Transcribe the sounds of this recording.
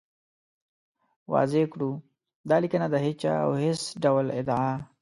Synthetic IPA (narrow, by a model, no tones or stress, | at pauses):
wɑ̰zekɽu | d̪ɑːlikənad̪əɦɪt͡ʃa̰a̰wɦɪsɖawlɪd̪ʕa